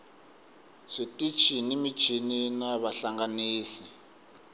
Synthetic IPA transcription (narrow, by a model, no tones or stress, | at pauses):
ʂitʼit͡ʃʰinimi̥t͡ʃʰininaβaɬaŋɡaniːsi̥